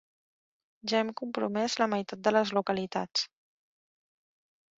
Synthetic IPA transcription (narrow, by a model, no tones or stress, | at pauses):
ʒaɛmkumpɾumɛzləməjt̪at̪̚d̪ələzlukəlit̪a̰t͡s